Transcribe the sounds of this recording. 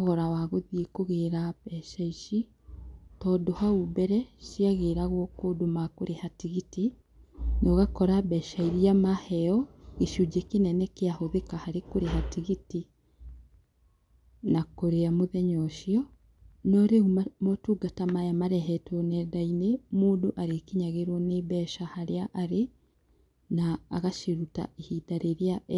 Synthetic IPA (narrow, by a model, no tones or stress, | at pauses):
ɣɔɾawaɣoðiekoɣeɾaβɛʃaiʃi | tɔːdohaubɛɾɛʃiaɣeɾaɣwɔkodomakoɾehatiɣiti | nɔɣakɔɾabɛʃaiɾiamahɛɔɣeʃud͡ʒekenɛnɛkeahoðekahaɾekoɾeɦatiɣiti | nakoɾeamoðɛɲoʃiɔ | noɾeumotuɡatamajamaɾɛɦɛtonedainemuːduʔaɾekiɲaɣeɾwoneβɛʃahaɾeaʔaɾe | naːɣaʃiɾuta̰ehidaɾeɾja